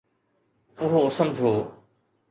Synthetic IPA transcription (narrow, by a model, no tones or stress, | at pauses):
ʊɦoːsəmd͡ʒʱoː